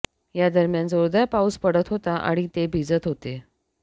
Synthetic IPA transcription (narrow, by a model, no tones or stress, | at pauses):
jad̪əɾmjand͡zoɾd̪ajpauspəɽət̪ɦot̪aʔa̰ɽ̃it̪ebʱid͡zət̪ɦot̪e